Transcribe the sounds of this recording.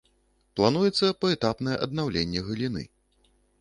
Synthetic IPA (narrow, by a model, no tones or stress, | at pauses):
plˠanujɛt̪sːɐpɐɛt̪apnɐjɛʔɐd̪̚nawlʲenʲːɛɣɨlʲinɨ̰